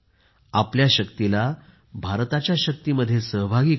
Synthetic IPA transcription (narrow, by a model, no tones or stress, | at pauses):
apljaɕəkt̪ila | bʱaɾt̪at͡ɕjaɕək̚t̪iməd̪ʱːjesəɦbʱaɡiː